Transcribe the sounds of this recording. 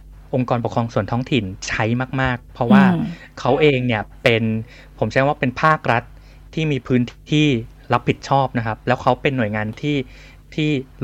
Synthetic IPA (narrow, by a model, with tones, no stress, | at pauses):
ʔo˧ŋkɔː˧np̬o˨˩kʰɔː˧ŋsu˨˩ənt̪ʰɔː˦˥ŋt̪ʰi˨˩nt͡ɕʰa˦˥jmaː˥˩k̚maː˥˩k̚pʰɾɔ˦˥waː˥˩ | kʰa˦˥wʔeː˧ŋni˥˩ɐpe˧n | pʰo˩˦mt͡ɕʰa˦˥waː˥˩pe˧npʰaː˥˩k̚ɾa˦˥t̪ʰː | iː˥˩miː˧pʰɯː˦˥nt̪ʰiː˥˩ | ɾa˦˥pʰːi˨˩t̪̚t͡ɕʰɔː˥˩p̚na˦˥kʰa˦˥p̚lɛː˦˥wkʰa˦˥wpe˧nːu˨˩əjŋaː˧nt̪ʰiː˥˩ | t̪ʰiː˥˩